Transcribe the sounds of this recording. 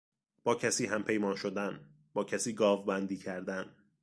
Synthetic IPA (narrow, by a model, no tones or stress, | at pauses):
b̥ɒːcʰæsiːɦæmpʰe̞jmɒːnʃod̪æn | b̥ɒːcʰæsiːɡɒːvbænd̪iːcʰæɾd̪æn